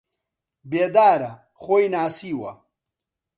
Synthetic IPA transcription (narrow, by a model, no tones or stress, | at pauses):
beːd̪aːɾɐ | χoːjnaːsiːwɐ̰